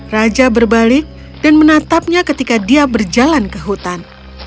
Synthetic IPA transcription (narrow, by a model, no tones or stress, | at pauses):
rad͡ʒabərbalɪk̚ | d̥anmənat̪ap̚ɲakət̪ikadiabərd͡ʒalankəɦut̪an